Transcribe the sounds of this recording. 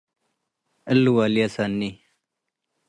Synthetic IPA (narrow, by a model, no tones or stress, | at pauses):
ɐlːuwaːliasaːnːi